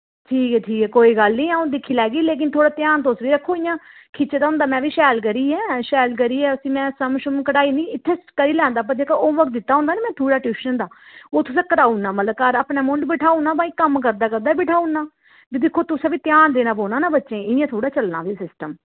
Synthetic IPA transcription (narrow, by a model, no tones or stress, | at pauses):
ʈʰiːkɛːʈʰiːkɛːkoːiːɡəlnĩːãːõd̪ɪkʰːiːlɛːɡiːleːk̬ɪnt̪ʰoːɽaːt̪jaːnt̪osʋiːɾəkʰːoːɪjãːkʰɪt͡ʃːd̪aʊ̃ːnd̪aːmɛ̃ːʋiːʃɛːlkəɾiːɛːʃɛːlk̬əɾiːɛːəsĩːmɛ̃ːsəmʃʊmkəɽaːiːnĩːɪt̪ʰːeːkəɾiːlɛ̃ːnd̪aːp̬əd͡ʒeːkaoːʋək̪̚d̪ɪt̪ːaːɦõːnd̪aːneːmɛ̃ːt̪ʰuːɽaːʈuːʃənd̪aːoːt̪ʊsãːkəɾaːunaːmət̪ləb̚kəɾaːpnaːmʊɳɖbɪʈʰaːunaːbaːĩːkəmkəɾd̪aːkəɾd̪aːbɪʈʰaːunːaː | bid̪ɪkʰːoːt̪ʊsɛ̃ːʋiːt̪ɪjaːnd̪eːnaːboːnaːnaːbətːʃẽːɪjãːt̪ʰoːɽaːt͡ʃəlnã̰ːʋiːsɪsʈəm